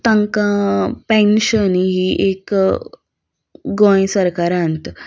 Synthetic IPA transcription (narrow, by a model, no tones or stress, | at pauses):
t̪ãŋkãpẽnɕəniɦiʔek | ɡɔ̃jsəɾkaɾãnt̪